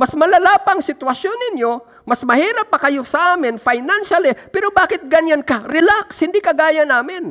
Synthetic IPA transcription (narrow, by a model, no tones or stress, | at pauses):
mɐsmɐlalaːpɐŋsɪt̪wɐsjonːɪnjo | mɐsmɐhiːɾɐp̚ːɐkɐjosɐʔaːmɪnfajnanʃalɪpɛːɾobaːkɪt̪̚ɡɐɲjankaɾɪlakshɪnd̪ikɐɡaːjɐnaːmɪn